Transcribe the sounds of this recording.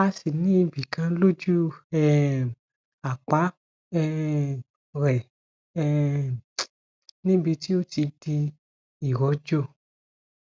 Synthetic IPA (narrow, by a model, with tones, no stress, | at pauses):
a˧si˨nĩ˦bi˨kã˧lo˦d͡ʒu˦ɛ˦ | a˨k͡pa˨˦ | ɛ˦ | ɾɛ˨ | ɛ˦ | nĩ˦bi˧ti˦o˦ti˧di˧ | i˨wɔ˨˦d͡ʒo˦˨